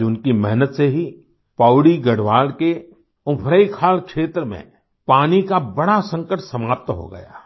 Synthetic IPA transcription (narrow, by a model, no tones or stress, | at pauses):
ʊnkimɛɦnət̪seɦi | paːʊɽiɡɐɽʋaːlke | ʊpʰɾəikʰaːlkʃeːt̪ɾəmḛ̃ | paːnikabɐɽasə̃ŋkəʈsɐmaːp̚t̪ɦo̰ɡɐ̰ja̰ː